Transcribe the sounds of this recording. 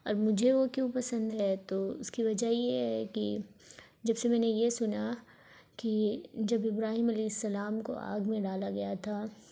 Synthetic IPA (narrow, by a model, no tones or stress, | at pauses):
ɔːɾmʊd͡ʒʱeʋokjõːpɐsə̃nd̪ɦɛt̪oʊ̰skiʋɐd͡ʒaijeɦɛkḭ | d͡ʒɐbsemɛ̃ːnejesʊna | kid͡ʒɐbɪbɾaːɦiːmɐlɛːɪsːɐlaːmko̰ʔa̰ːɡmẽɖaːlaɡɐjat̪ʰaː